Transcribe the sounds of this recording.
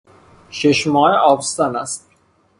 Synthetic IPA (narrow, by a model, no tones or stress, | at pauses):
ʃeʃmɒːeʔɒːbst̪ɒnæst̪̚